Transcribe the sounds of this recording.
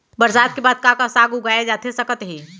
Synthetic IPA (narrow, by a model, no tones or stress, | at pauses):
bəɾsaːt̪̚kebaːd̪̚kãkasaːɡuɡaːed͡ʒaːt̪ʰesɐkət̪ɦiː